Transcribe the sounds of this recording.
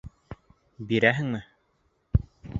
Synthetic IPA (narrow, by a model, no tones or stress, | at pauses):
biɾæɦɘ̆ŋmɘ